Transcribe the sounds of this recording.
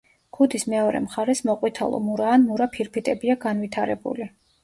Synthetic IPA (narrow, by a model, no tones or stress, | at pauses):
ɡ̥ud̪ismɛɔɾɛ̰mχaɾɛsmɔqʼwit̪ʰa̰lˠɔ̰muɾaːnmuɾapʰiɾpʰit̪ʼɛbiaɡanvit̪ʰaɾɛbṵli